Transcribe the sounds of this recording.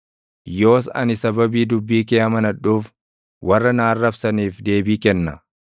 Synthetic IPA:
jo̞ːs̬ɐ̰nɪsɐbɐbiːd̪ʊbːiːkeːɐmɐnɐᶑːuːf | wɐrːɐnaːrːɐbsɐniːfd̪e̞ːbiːkɛnːɐ

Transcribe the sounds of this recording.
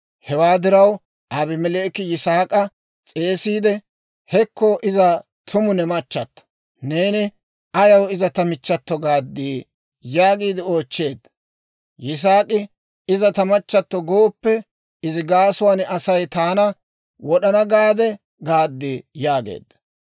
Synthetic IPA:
hɛwaːd̪ɪɾɐw | ʔabɪmɛleːkɪjɪsaːkʼɐ | t͡sʼe̞ːsiːd̪ɛ | hɛkːɔʔɪzɐ | t̪ʰʊmʊnɛmɐt͡ʃːɐt̪ːɔ̥ | ne̞ːnɪ | ʔɐjɐwɪzɐt̪ɐmɪt͡ʃːɐt̪ːɔɡaːd̪ːiː | jaːɡiːd̪ɪo̞ːt͡ʃːe̞ːd̪ːɐ | jɪs̬aːkʼɪ | ɪzɐt̪ɐmɐt͡ʃːɐt̪ːɔɡoːpːɛ | ɪzɪɡaːsʊwaːnɐsɐjt̪aːnɐ | wɔɗɐnɐɡaːd̪ɛ | ɡaːd̪ːijaːɡḛːd̪ːɐ̥

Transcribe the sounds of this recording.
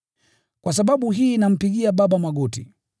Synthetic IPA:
kwasaɓaɓuɦiːnam̩piɡiabaɓamwaɡɔtḭ

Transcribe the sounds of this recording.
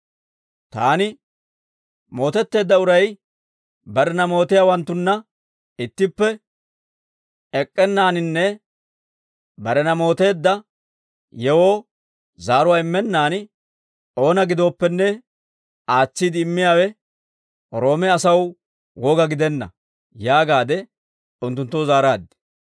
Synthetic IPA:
t̪aːnɪ | mo̞ːt̪ɛt̪ːe̞ːd̪ːɐʊɾɐj | bɐɾɛnɐmo̞ːt̪ɪjaːwɐnt̪ːʊnːɐ | ɪt̪ːɪpːɛ | ɛkʼːɛnːaːnɪnːɛ | bɐɾɛnɐmo̞ːt̪e̞ːd̪ːɐ | jɛwoː | zaːɾʊwaːɪmːɛnːaːn | o̞ːnɐɡɪd̪o̞ːpːɛnːɛ | aːt͡sːid̪ɪːmːɪjaːwɛ | ɾo̞ːmɛɐsɐw | woːɡɐɡɪd̪ɛnːɐ̰ | jaːɡaːd̪ɛ | ʊnt̪ːʊnt̪ːowzaːɾaːd̪ɪ̥

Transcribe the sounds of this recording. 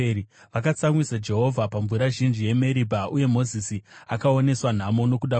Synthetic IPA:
ʋakat͡samwisad͡ʒe̞ɦo̞vʱapaɱvuɾaʒind͡ʒije̞me̞ɾibʱaʔuje̞mo̞zisiakao̞ne̞swan̤amono̞kuɗa

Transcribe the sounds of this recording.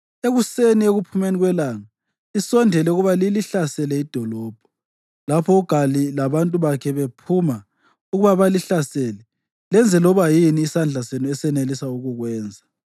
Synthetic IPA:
eɣusenieɣupʰumeniɣwɛlaŋa | isɔndʱɛlɛuɣuβaliliɬasɛlɛid̥ʱɔlɔːb̥ʱɔ̥ | lapʰɔuɡ̥ʱalilaβantʼuβakʰɛβepʰuma | uɣuβaβaliɬasɛːlɛ | lɛnd͡zʱɛlɔβajiniːsand͡ɮʱasenuɛsɛnelisauɣuɣwɛːnd͡zʱa

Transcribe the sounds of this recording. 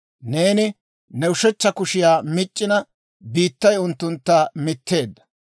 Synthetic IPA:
ne̞ːnɪ | nɛʊʃɛt͡ʃːɐkʊʃɪjaːmɪt͡ʃʼːɪnɐ | biːt̪ːɐjʊnt̪ːʊnt̪ːɐmɪt̪ʰːe̞ːd̪ːɐ̥

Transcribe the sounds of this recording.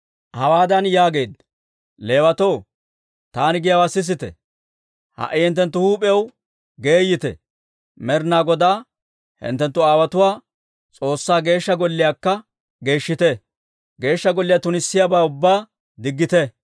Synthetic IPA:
hɐwaːd̪ɐnjaːɡe̞ːd̪ | le̞ːwɐt̪ow | t̪aːnɪɡɪjɐwasɪs̬ɪt̪ɛ̰ | hɐ̰ʔɪhɪnt̪ːɛnt̪ːʊhuːpʼɛjɐw | ɡe̞ːjɪt̪ɛ̰ | mɛɾnaːɡɔd̪aː | hɪ̰nt̪ːɛnt̪ːʊaːwɐt̪ʊwaː | t͡sʼo̞ːsːaːɡe̞ːʃːɐɡɔlːɪjaːkːɐ | ɡe̞ːʃːɪt̪ɛ | ɡe̞ːʃːɐɡɔlːɪjat̪ʊnɪsːɪjabaːʊbːaː | d̪ɪɡːɪt̪ɛ

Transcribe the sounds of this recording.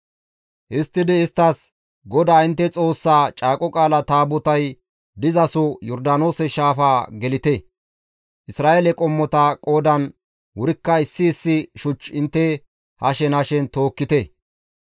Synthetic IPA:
ʔɪst̪ːɪd̪ɪːst̪ːɐs | ɡɔd̪aːɪnt̪ːɛt͡sʼo̞ːsːat͡ʃʼaːkʼɔkʼaːlɐt̪aːbʊt̪ɐj | d̪ɪzɐsɔjɔɾd̪ɐno̞ːsɛʃaːfaːɡɛlɪt̪ɛ | ʔɪsɾaːelɛkʼɔmːɔt̪ɐkʼo̞ːd̪ɐn | wʊɾɪkːɐɪsːɪːsːɪʃʊt͡ʃːɪnt̪ːɛ | hɐʃɛnɐʃɛnt̪o̞ːkːɪt̪ɛ

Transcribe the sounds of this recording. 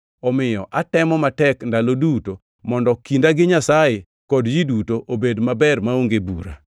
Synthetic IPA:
ɔmɪjɔʔatɛmɔmatɛkndaloduto | mɔndɔkindaɡɪɲasaje | kɔdjidutoʔobedmabɛrmaoŋɡebṵɾa̰

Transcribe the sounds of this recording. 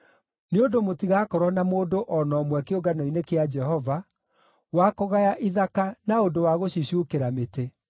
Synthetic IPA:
neondomotiɣaːkɔɾɔnamoːdoʔɔnɔmwɛkeoɡanɔinekead͡ʒɛɦɔva | wakɔɣajaʔiðakanaondowaɣoɕiɕukeɾamete

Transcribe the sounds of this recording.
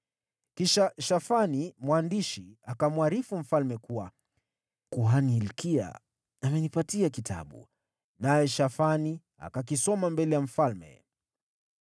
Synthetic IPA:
kiʃaʃafanimwandiʃiakamwaɾifum̩falmɛkuwa | kuaniːlkia̰ | amɛnipatiakitʰa̰ɓṵ | najɛʃafani | a̰kak̬isɔmambɛlɛjam̩falmɛ̰

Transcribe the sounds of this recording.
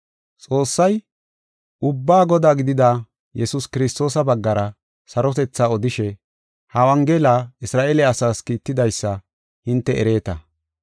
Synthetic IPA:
t͡sʼo̞ːsːɐj | ʔʊbːaːɡɔd̪aːɡɪd̪ɪd̪aː | jɛsʊskɪɾɪst̪o̞ːsɐbɐɡːɐɾɐ | sɐɾɔt̪ɛt͡sːaːɔd̪ɪʃɛ | hɐwɐŋɡelaːɪsɾaːʔelɛɐsaːskiːt̪ːɪd̪ɐjsːɐ | hɪnt̪ːɛʔɛɾe̞ːt̪ɐ̰

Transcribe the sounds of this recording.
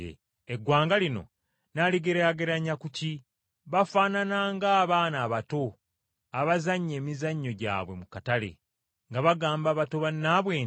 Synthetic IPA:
eɡwaːŋɡalino̞̰ | naliɡeɾejaɡe̞ɾaɲːakuci | βafaːnanaːŋɡaːβaːnaːβato̞ | aβazaɲːe̞ːmizaɲːo̞ɟa̰ːβwe̞mukatalḛ | ŋɡaβaɡaːmbaːβato̞βanːaːβwe̞ːn

